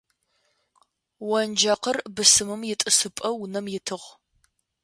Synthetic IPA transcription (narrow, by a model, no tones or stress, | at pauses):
wɐnd͡ʒɐqərbɨsɨmɨmjɪtʼɨsɨpʼɐwʊnɐmjɪtʰɨʁ